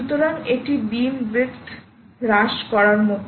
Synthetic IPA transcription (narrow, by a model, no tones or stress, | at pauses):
ut̪oɾanek̚ʈiɖimbekt̪ʰ | ɾaʃkɔɾaɾmok